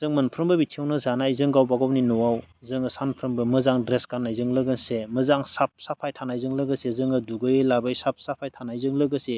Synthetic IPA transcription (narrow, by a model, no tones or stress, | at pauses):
zɯŋmɯnpʰɾɯmbɯbitʰiawnɯzanajzɯŋɡawbaɡawninɔwawzɯŋɯsanpʰɾɯmbɯmɯzaŋdɾeskanːajzɯŋlɯɡɯnsemɯzaŋsap̚sapʰajtʰanajzɯŋlɯɡɯsezɯŋɯduɡɯjelabɯjsap̚sapʰajtʰanajzɯŋlɯɡɯse